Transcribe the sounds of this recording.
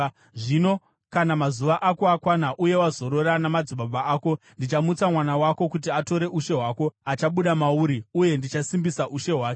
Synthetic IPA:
ʐino̞ | kanamazuʋaʔako̞akwanaʔuje̞wazo̞ɾo̞ɾanamad͡ziɓabaaːko̞ | ndit͡ʃamut͡samwanawako̞kut̬iato̞ɾe̞ʔuʃe̞ɦwaːko̞at͡ʃaɓuɗamauɾiuje̞ndit͡ʃasimbisaʔuʃe̞ɦwaːke

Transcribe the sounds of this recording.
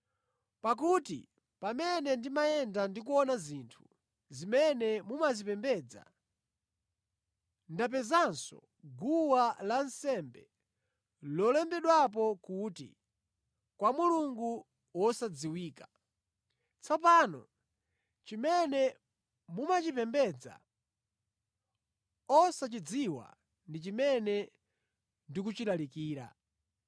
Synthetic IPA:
pak̬utḭ | pamɛnɛndimajɛndandik̬uɔnaziːntʰu̥ | zimɛnɛmumazipɛmbɛːd͡za̰ | ndap̬ɛzansɔ̰ | ɡuwalansɛmbɛ | lɔlɛmbɛɗwap̬ɔkuːtḭ | kwamuluŋɡu | wɔsad͡ziwiːkḁ | t͡sʰap̬aːnɔ̰ | t͡ʃimɛnɛ | mumat͡ʃipɛmbɛd͡za̰ | ɔsat͡ʃid͡ziwa̰ | ndit͡ʃimɛnɛ | ndikut͡ʃilalikiːɾa̰

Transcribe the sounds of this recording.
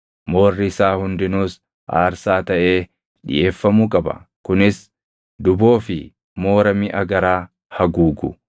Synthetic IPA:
mo̞ːrːɪɪsaːhʊnd̪ɪnuːs | ʔa̰ːɾsaːt̪ɐʔe̞ː | ᶑɪ̰je̞ːfːɐmukʼɐbɐ̰kʊnɪs | d̪ʊbo̞ːfɪ | mo̞ːɾɐmɪʔɐɡɐɾaː | hɐɡuːɡʊ̰

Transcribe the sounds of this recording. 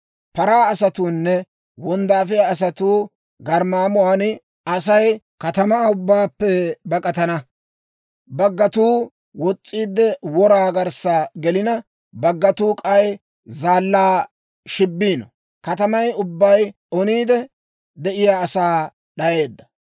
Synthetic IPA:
pɐɾaːɐsɐt̪uːnːɛ | wɔnd̪aːfɪjaːs̬ɐt̪uː | ɡɐɾmaːmʊwaːn | ɐsɐj | kɐt̪ɐmaʊbːaːpːɛbɐkʼɐt̪ɐnɐ | bɐɡːɐt̪uː | wɔt͡sʼːiːd̪ːɛwɔɾaːɡɐɾsaɡɛlɪnɐ | bɐɡːɐt̪uːkʼɐj | zaːlːaː | ʃɪbːiːnɔ | kɐt̪ɐmɐjʊbːɐj | ɔniːd̪ɛ | d̪ɛʔɪjaːsaː | ɗɐje̞ːd̪ːɐ̥

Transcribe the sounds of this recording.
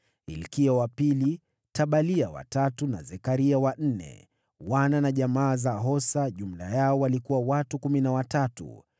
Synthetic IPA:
ḭlkiawapili | taɓaliawa̰tatuna̰zɛkaɾiawan̩nɛ̰ | wananaʄamaːzaɦɔsaʄum̩la̰jaɔwalikuwawatukuminawatatṵ

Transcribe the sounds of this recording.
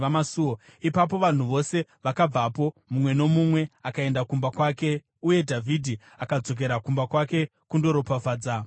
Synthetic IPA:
amasuo | ipap̬o̞ʋan̤uʋo̞se̞ʋakab͡vapo̞mumwe̞no̞mumwe̞akae̞ndakumbakwaːke̞ | uje̞dʱavʱidʱi | akad͡zo̞k̬e̞ɾakumbakwake̞kundo̞ɾo̞pavaːd͡za

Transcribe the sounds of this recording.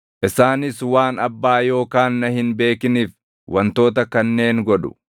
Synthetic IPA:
ʔɪsaːnɪswaːnɐbːaːjo̞ːkaːnːɐhɪnbe̞ːkɪniːf | wʔɐnt̪o̞ːt̪ɐkɐnːe̞ːŋɡɔᶑʊ̥̰

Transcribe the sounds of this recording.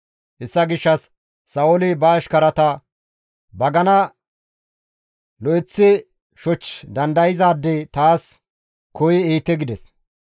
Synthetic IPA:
hɛsːɐɡɪʃːɐsː | ɐʊlɪbɐːʃkɐɾɐt̪ɐ | bɐɡɐnɐ | lɔɛt͡sːɪ | ʃɔt͡ʃd̪ɐnd̪ɐjɪzaːd̪ːɛt̪aːs | kɔjɪiːt̪ːɛɡɪd̪ɛs

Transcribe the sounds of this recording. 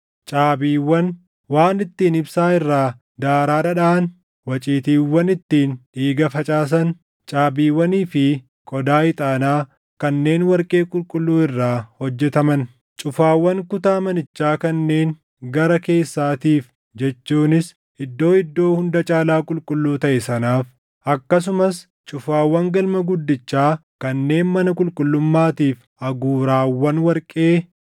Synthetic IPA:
t͡ʃʼaːbiːwːɐn | waːnɪt̪ːiːnɪbsaːɪrːaː | d̪aːɾaːᶑɐᶑaːn | wɐt͡ʃʼiːt̪iːwːɐnɪt̪ːiːnᶑiːɡɐfɐt͡ʃʼaːs̬ɐn | t͡ʃʼaːbiːwːɐniːfɪ | kʼɔd̪aːɪt̪ʼaːnaː | kɐnːe̞ːnwɐɾkʼe̞ːkʼʊlkʼʊlːuːɪrːaːhɔd͡ʒːɛt̪ɐmɐn | t͡ʃʼʊfaːwːɐŋkʊt̪aːmɐnɪt͡ʃːaːkɐnːe̞ːŋ | ɡɐɾɐke̞ːsːaːt̪iːf | d͡ʒɛt͡ʃːuːnɪs | ɪd̪ːo̞ːɪd̪ːo̞ːhʊnd̪ɐt͡ʃʼaːlaːkʼʊlkʼʊlːuːt̪ɐʔɛsɐnaːf | ʔɐkːɐs̬ʊmɐs | t͡ʃʼʊfaːwːɐŋɡɐlmɐɡʊd̪ːɪt͡ʃːaːkɐnːe̞ːnmɐnɐkʼʊlkʼʊlːʊmːaːt̪iːf | ʔɐɡuːɾaːwːɐnwɐɾkʼe̞ː

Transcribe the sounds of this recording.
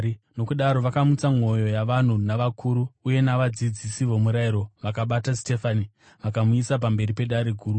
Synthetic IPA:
no̞kuɗaɾo̞ʋakamut͡samo̞jo̞jaʋan̤unaʋakʰuɾuːje̞naʋad͡zid͡zisiʋomuɾaiɾo̞ʋakaɓataste̞fani | ʋakamuisap̬ambe̞ɾipe̞ɗaɾe̞ɡʱuːru

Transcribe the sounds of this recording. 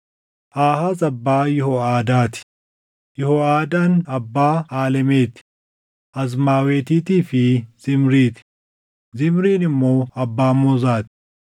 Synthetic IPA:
ʔaːhaːzɐbːaːjɛhɔaːd̪aːt̪ɪ̥ | jɛhɔaːd̪aːnɐbːaːaːlɛme̞ːt̪ɪ̥ | ʔɐzmaːwe̞ːt̪iːt̪iːfɪz̥ɪmɾiːt̪ɪ̥ | zɪmɾiːnɪmːo̞ːɐbːaːmɔːzaːt̪ɪ̥

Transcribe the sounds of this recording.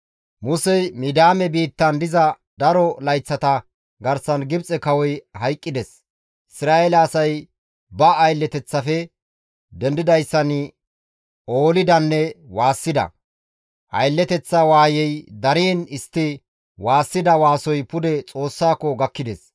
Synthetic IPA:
mʊsɛjmid̪aːmɛbiːt̪ːɐnd̪ɪzɐ | d̪ɐɾɔlɐjt͡sːɐt̪ɐ | ɡɐɾsɐnɡɪbt͡sʼɛkɐwɔjhɐjkʼːɪd̪ɛs | ʔɪsɪɾaːeɛlɐːsɐj | bɐːjlːɛt̪ɛt͡sːɐfɛ | d̪ɛnd̪ɪd̪ɐjsːɐn | oːlɪd̪ɐnːɛwaːsːɪd̪ɐ̰ | ʔɐ̰jlːɛt̪ɛt͡sːɐwaːjɛjd̪ɐɾiːnɪst̪ːɪ | waːsːɪd̪ɐwaːsɔjpʊd̪ɛt͡sʼo̞ːsːaːkːɔɡɐkːɪd̪ɛs

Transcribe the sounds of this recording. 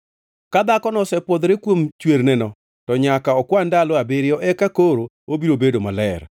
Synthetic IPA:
kad̪akɔnɔsɛpod̪ɾekwomt͡ʃweɾnɛnɔ | tɔɲakaɔkwandalɔabeɾɪɔʔɛkakoɾo | obiɾobedomalɛɾ

